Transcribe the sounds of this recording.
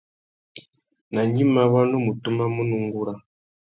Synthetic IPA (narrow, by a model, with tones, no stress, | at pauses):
na˨ɲi˦ma˦βa˦nu˦mu˨tu˦ma˦mu˦nu˨ŋɡu˦ɾa˦